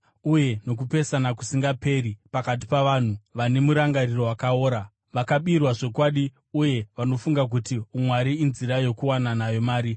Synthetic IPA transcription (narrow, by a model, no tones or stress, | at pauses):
uje̞no̞k̬upe̞sanakusiŋɡape̞ɾipakat̬i̥paʋan̤uʋane̞muɾaŋɡariro̞wakao̞ːɾa | ʋakaɓirwaʐo̞kwaɗi | uje̞ʋano̞fuŋɡak̬utiumwaɾiːnziɾajo̞kuwananajo̞maːɾi